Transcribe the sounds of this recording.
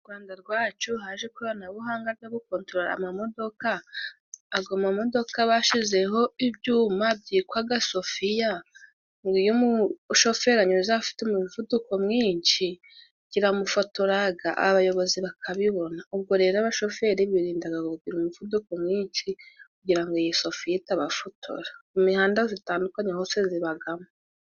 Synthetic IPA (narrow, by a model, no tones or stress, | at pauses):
uɾɡwaːndaɾɡwaːt͡ʃuɦaːʒekuβanaβuɦaːŋɡaβjaβukoːntɾoɾa̰mamo̞do̞kaː | ɡomamo̞do̞kaβaʃize̞ɦo̞ibɟuːmab̚ɟiːkwaɡaso̞fija | ŋɡijumuʃo̞fe̞ɾaɲuɾuzafi̥teumuvuduko̞mŋiːnʃi | ɡ̥iɾamufotoɾaɡaʔa̰βajo̞βo̞ziβakʰaβiβo̞naub̚ɡo̞ɾe̞ːɾoaβaʃo̞fe̞ɾiβiɾiːndaɡaɡokuɡiɾumuvuduko̞mŋiːnʃikuɡiɾaŋɡojiso̞fijitaβafotʰo̞̰ɾaumihaːndazitaːndukaɲahoːse̞ziβaɡama